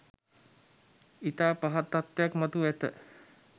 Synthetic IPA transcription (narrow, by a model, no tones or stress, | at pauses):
it̪apaɦat̪ːat̪ːakmat̪uɛt̪ə